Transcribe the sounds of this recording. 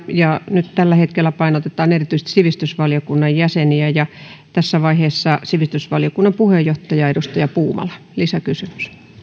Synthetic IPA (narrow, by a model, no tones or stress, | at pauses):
jɑnyt̪t̪ælːæhet̪kelːæpɑinot̪et̪ɑːnerit̪yist̪i̥siʋist̪ysʋɑljokunːɑjjæseniæjɑ | t̪æsːæʋɑiheːsːɑsiʋist̪ysʋɑljokunːɑmpuhejːoht̪ɑjɑedust̪ɑjɑpuːmɑ̰lɑ | lisækysymy̥s